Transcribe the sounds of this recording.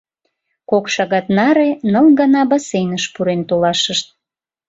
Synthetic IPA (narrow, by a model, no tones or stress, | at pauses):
kokʃɑɣɑt̪nɑɾenəlɡɑnɑbɑsenəʃpuɾent̪olɑʃəʃt̪̚